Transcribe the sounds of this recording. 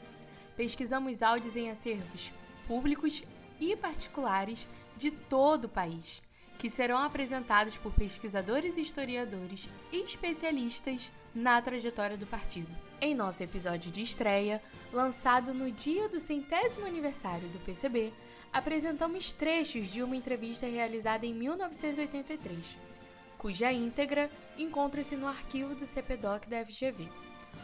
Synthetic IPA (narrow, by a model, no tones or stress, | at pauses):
peʃkizɐ̃mʊzawd͡ʒʊzẽj̃aseɾvʊs | publikʊʃ | ɪpaɾt͡ʃi̥kulaɾɪz | d͡ʒɪt̪od̪ʊpaiʃ | kɪseɾɐ̃w̃apɾezẽnt̪ad̪ʊspʊɾpeʃkizad̪oɾɪziiʃt̪oɾiad̪oɾɪʃ | ɪʃpesialiʃt̪ɐz | nɐt̪ɾaʒet̪ɔɾiɐd̪ʊpaɾt͡ʃid̪ʊ | ẽj̃nɔsʊepizɔd͡ʒiʊd͡ʒɪːʃt̪ɾɛjɐ | lɐ̃sad̪ʊnʊd͡ʒiɐd̪ʊsẽnt̪ɛzimʊaniveɾsaɾjʊd̪ʊpesebe | apɾezẽnt̪ɐ̃mʊʃt̪ɾeʃʊzd͡ʒɪũmɐẽnt̪ɾeviʃt̪ɐɦealizad̪ɐẽj̃miwnɔvisẽnt̪ʊziojt̪ẽnt̪ɐjt̪ɾeʃ | kuʒɐĩnt̪eɡɾɐ | ẽŋkõnt̪ɾɐsɪnʊaɾkivʊd̪ʊseped̪ɔkd̪ɐɛfiʒeve